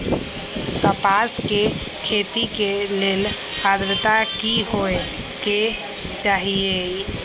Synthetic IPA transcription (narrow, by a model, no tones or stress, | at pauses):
k̪əpaske | kʰet̪ikelel | ad̪ɾt̪akiɦoe | ke | t͡ʃaɦie